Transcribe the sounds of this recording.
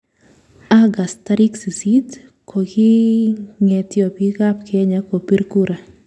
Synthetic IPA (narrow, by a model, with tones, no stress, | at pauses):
a˦ɡa˨sta˦ɾi˦ksi˨si˦t̪ | kʰo˨ɡɪ˦ŋɛ˨t̪jɔ˨pɡi˦ka˦pkʰe˦ɲa˦ko˨pi˦ɾku˦ɾʔa˨